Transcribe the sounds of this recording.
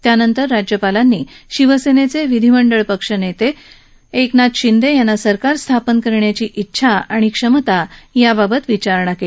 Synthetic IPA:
t̪janənt̪əɾːad͡ʑjəpalanːiːɕiʋəsenet͡seʋid̪ʱiməɳɖəɭpəkʂənet̪e | eknat̪ɕind̪ʱejanːasəɾkaɾst̪ʰapənkəɾɳjat͡ɕiːʔitːɕʰaaɽ̃ikʂəmət̪ajababət̪ʋit͡ɕaɾɳake

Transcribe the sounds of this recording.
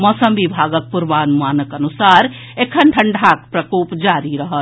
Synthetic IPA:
mɔːsəmbibʱaːɡək̚puɾʋaːnmaːnəkɐnusaːɾ | ekʰənʈʰəɳɖʱaːk̚pɾəkoːpd͡ʒaːɾiɾəɦət̪

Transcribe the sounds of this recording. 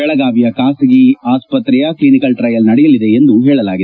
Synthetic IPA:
ɛɭɐɡaːbijɐkaːsɐɡiaːspɐt̪ɾɛjɐklinikɐlʈɾɐjɐlnɐɽɛjɐlid̪e̞ːnd̪uɦɛːɭɐlaːɡid̪

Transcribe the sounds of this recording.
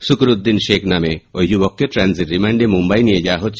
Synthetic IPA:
sukɾud̪ːinʃekʰnameojd͡ʒubɔkːeʈɾɛnsiɾːimaɳɖemumbajnijed͡ʒawaɦotːt͡ʃʰ

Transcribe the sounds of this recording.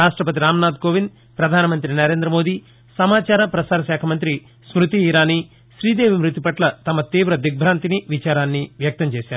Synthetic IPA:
aːʂʈɾɐpɐt̪̬iɾaːmnaːd̪koːʋin | pɾɐd̪ʱaːnɐmɐnt̪ɾinɐɾe̞ːnd̪ɾɐmo̞ːd̪iː | sɐmaːt͡ʃaːɾɐpɾɐsaːɾɐsɛːkʰɐmɐnt̪ɾi | smɾut̪iːɾaːni | ʃɾiːd̪eːʋimɾut̪ipɐʈlɐt̪ɐmɐt̪iːʋɾɐd̪ik̚bʱɾaːnt̪iniʋit͡ʃaːɾaːnːiʋjɐk̚t̪ɐmt͡ʃeːsaːɾuu

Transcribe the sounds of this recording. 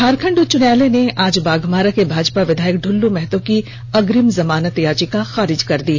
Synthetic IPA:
aːɾkʰə̃ɳɖʊt͡ʃʊnjaːleneʔaːd͡ʒbaːɡʱmaːɾakebʱaːd͡ʒpaʋɪd̪ʱaːjək̚ɖʱʊlːumɛɦt̪õki | ɐɡɾɪmzɐmaːnət̪jaːt͡ʃikaxaːɾɪd͡ʒkɐɾd̪iː

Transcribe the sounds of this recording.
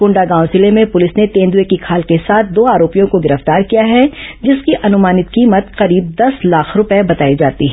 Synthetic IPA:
kʊ̃ɳɖaɡãːʊ̃zɪlemẽpʊlɪsnet̪ẽːnd̪uekikʰaːlkesaːt̪̚ʰd̪oːaːɾoːpijõkoɡɪɾəft̪aːɾkijaɦɛd͡ʒɪskiʔɐnʊmaːnɪt̪̚kiːmət̪qɐɾiːb̚d̪ɐslaːkʰɾʊpebɐt̪aːid͡ʒaːt̪iɦɛ

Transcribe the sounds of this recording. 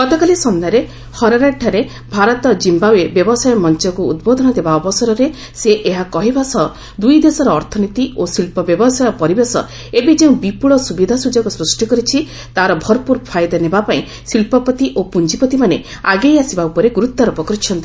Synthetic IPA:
kɔt̪ɔkalisɔnd̪aɾe | hɔɾɔɾaʈʰːaɾe | bʱaɾɔt̪ɔd͡ʒimbawebjɔbɔsajɔmɔnt͡ʃɔkuṵd̪̚bod̪ʱɔnɔd̪ebaɔbɔsɔɾɔɾe | seʔːɦakɔɦibasɔ | d̪ujd̪esɔɾɔːɾt̪ʰɔnit̪iosilpɔbjɔbɔsajɔpɔɾibesɔ̰ | ebid͡ʒeũbipuɭɔsubid̪ʱasud͡ʒɔkusɾusʈikɔɾit͡ʃʰi | t̪aɾɔbʱɔɾpuɾpʰajd̪ɔnebapaĩ | silpɔpɔt̪iʔopund͡ʒipɔt̪imane | aɡejasibaupɔɾeɡuɾut̪ːaɾɔpɔkɾit͡ʃʰɔnt̪i

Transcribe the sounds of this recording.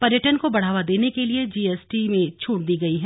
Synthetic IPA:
pɐɾjəʈənkobɐɽ̤aːʋad̪eːnekelied͡ʒiːɛːsʈimẽt͡ʃʰuːʈ̚d̪iːɡɐiɦɛː

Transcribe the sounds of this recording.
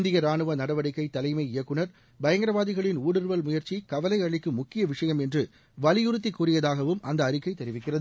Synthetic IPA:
nd̪ɪjɐɾaːɳɯʋɐnɐɽɐʋɐɽɪkːɐɪt̪ɐlɐɪmɐɪɪjɐkːɯɳɐɾ | bɐjɐŋɡɐɾɐʋaːðɪɣɐɭɪnuːɽɯɾʋɐlmʊjɐɾt͡ʃikɐʋɐlɐɪɐɭɪkːɯmʊkːɪjɐʋɪʂɐjɐmɛndrɯ | ʋɐlɪjɯɾɯt̪̬ːɪkːuːrɪjɐðaːɣɐʋɯmʔɐnd̪ɐːɾɪkːɐɪt̪ːɛɾɪʋɪkːɪrɐðɯ

